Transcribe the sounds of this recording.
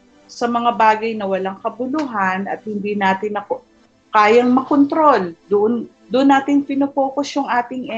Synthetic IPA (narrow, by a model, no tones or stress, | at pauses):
sɐmɐŋabaːɡɐjnɐwɐlɐŋkɐbʊlʊɦanɐ̰t̪̚hɪnd̪iːnaːt̪ɪnɐko | kaːjɐŋmɐkont̪ɾo̞ld̪ʊʔn | d̪ʊʔʊnːaːt̪ɪŋpɪnopoːkosjʊŋʔaːt̪ɪŋɛ